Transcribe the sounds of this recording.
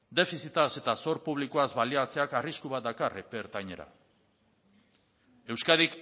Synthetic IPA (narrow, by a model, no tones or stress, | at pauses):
d̪e̞fisit̪ase̞t̪aso̞ɾpuβ̞likoazβaliat͡seakariskuβat̪̚d̪akarepeɾt̪ajɲeɾa̰ | e̞wskaðik